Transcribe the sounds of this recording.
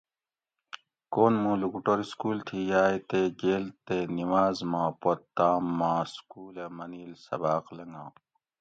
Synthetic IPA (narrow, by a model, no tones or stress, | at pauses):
koːnmũːlukuʈoɾiskuːlt̪ʰijaːjt̪eːɡeːlt̪enimaːzmãːpot̪ːãːmːãːskuːlemɐniːlsɐ̰baːqlɐŋɡãː